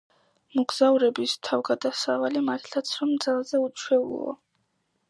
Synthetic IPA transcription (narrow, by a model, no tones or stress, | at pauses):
mɔɡzauɾɛbist̪ʰavɡad̪asavalimat̪ʰlʰat̪sʰɾɔmd̪zalˠzɛut͡ʃʰwɛṵlˠɔ̰